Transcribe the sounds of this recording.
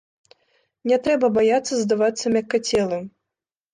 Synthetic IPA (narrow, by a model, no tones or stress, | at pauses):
nʲɛt̪ɾɛbɐbajat̪sːɐzd̪avat̪sːɐmʲakːat͡sʲɛlˠɨm